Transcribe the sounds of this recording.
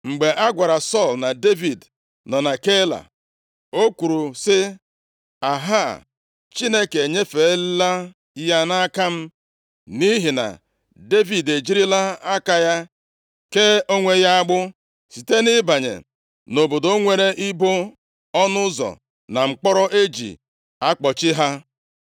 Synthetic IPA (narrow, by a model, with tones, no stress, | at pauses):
ŋ͡m̩˨ɡ͡be˨ʔa˦ɡʷa˨ɾa˨sɔ˦˨lna˨de˦vi˨d | nɔ˨na˨ke˦la̰˨ | o˦ku˨ɾu˨sɪ˦ | a˨ɦa˦˨ | t͡ʃi˦ne˦ke˨ɲe˦fe˨e˦lla˦ | ja˦na˦ka˦m̩˦ | ni˦ɦi˨na̰˨ | de˦vi˨de˨d͡ʒi˦ɾi˦la˦a˦ka˦ja˦ | ke˦o˦ŋʷe˦ja˦a˦ɡ͡bʊ˦ | si˨te˦nɪ˦ba˨ɲḛ˨ | no˨bo˨do˦ŋʷe˨ɾe˦ʔi˦bo˦ | ɔ˦nʊ˦zɔ̰˨ | na˨ŋ͡m̩˨k͡pɔ˦ɾɔ˦ʔe˦d͡ʒḭ˨ | a˦k͡pɔ˨t͡ʃɪ˦ɦa˦